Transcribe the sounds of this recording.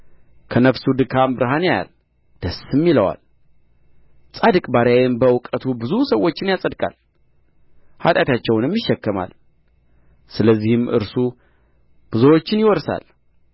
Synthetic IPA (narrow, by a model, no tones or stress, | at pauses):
kʰənəfsud̪ɨkʰambɨɾɦaneja̰l | d̪̥əsɨmːiləwa̰l | sʼad̪ɨkʼbaɾjajɛnbəwkʼət̪ʰubɨzusəwːo̞t͡ʃːɪnjasʼəd̪kʼa̰l | hat̪ʼat̪at͡ʃːɛwnjɛmjɪʃːɛkːəma̰l | sɨləzːihɨmɨ̰ɾsu | b̥ɨzowo̞t͡ʃːɪnjɪwɔɾsa̰l